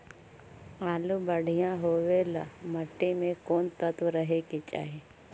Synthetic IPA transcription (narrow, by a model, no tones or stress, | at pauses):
aːlubəɽ̤ʱijãɦoːʋelamɐʈːimẽkoːnt̪ət̪ʋɾəɦeket͡ʃa̰ːɦe